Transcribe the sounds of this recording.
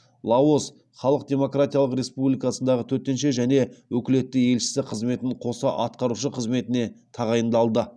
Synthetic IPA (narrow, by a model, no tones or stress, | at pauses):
lˠɑo̞s | χɑlˠəq̚d̪ʲe̞mo̞krat̪ijɑlˠəqɾe̞spublʲijkasənd̪ɑʁət̪ʰɵɾt̪ːe̞nʃeʒæne̞wɵkʲɪle̞t̪ːɪje̞lʃɪ̥sɪqʰəzme̞t̪ɪɴqʰo̞sɑʔɑt̪̚qɑɾuʃəqʰəzme̞t̪ɪne̞t̪ʰɑʁɑjənd̪ɑlˠd̪ə